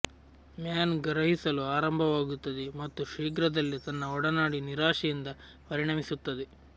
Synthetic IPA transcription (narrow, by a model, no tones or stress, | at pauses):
mjaːnɡɐɾɐɦisɐluaːɾɐmbʱɐʋaːɡut̪ːɐd̪emɐt̪ːuʃiːɡɾɐd̪ɐlːit̪ɐnːɐɔɽɐnaːɽiniɾaːʂɛjind̪ɐ | pɐɾiɳɐmisut̪ːɐd̪e